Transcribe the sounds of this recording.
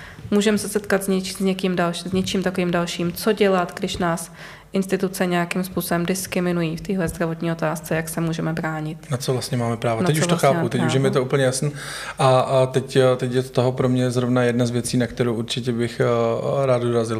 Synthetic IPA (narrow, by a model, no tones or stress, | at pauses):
muːʒɛmɛsɛsɛt̪kat̪zɲɛt͡ʃiɲɛkimdalʃzɲɛt͡ʃiːmt̪akoviːmdalʃiːmt͡so̞ɟɛlat̪ɡdɪʃnaːs | ʔɪnst̪ɪt̪ut͡sɛɲɛjakimspuːsobɛmdɪskɾɪmɪnujiːft̪iːɦlɛzd̪ɾavo̞t̪ɲiːo̞t̪aːst͡sɛjaksɛmuːʒɛmɛbɾaːɲɪt̪nat͡sovlast̪ɲɛmaːmɛpɾaːvonɛcuʃvt̪oxaːput̪ɛcuʃʃjɛmɪɛt̪oʔuːpl̩ɲɛjasniː | ʔat̪ɛct̪ɛcjɛt̪oɦopɾomɲɛzɾovnajɛdnazvjɛt͡siːnakt̪ɛɾowʔuɾt͡ʃɪcɛbɪxɾaːd̪̚doɾazɪl